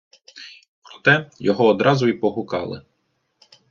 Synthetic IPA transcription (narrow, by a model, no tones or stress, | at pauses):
pɾɔt̪ɛjɔɦɔːd̪ɾɑzʊipɔɦʊkɑ̰lˠɪ̰